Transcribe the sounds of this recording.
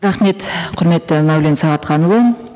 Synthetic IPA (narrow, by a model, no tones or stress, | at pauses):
ɾɑχme̞t̪qʰʊɾme̞t̪ːɪmæwle̞nsɑʁɑt̪qʰɑnəlˠɑn